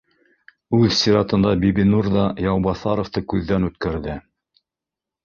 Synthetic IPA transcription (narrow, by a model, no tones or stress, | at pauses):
ʉðsʲiɾɑt̪ɤ̆nd̪ɑbibinuɾðɑjɑwbɑθɑɾŏft̪ɤkʉðːænʉt̪kæɾðɘ